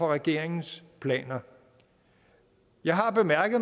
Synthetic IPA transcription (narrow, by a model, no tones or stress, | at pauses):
ɒ̽ʁɛɡ̥e̝̰ɐ̰eŋn̩spʰlɛ̰ːnɐ | jɑ̈ɪɦɑ̈b̥e̝mæɐɡ̥ð̩ˠ